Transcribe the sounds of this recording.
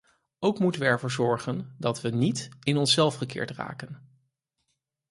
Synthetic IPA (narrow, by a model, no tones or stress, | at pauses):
owkmutənʋəɛɹvʊːɹzɔɹχəndɑtʋənitɪnɔnsɛlˠfχəkɪ̰ːɹtra̰ːkən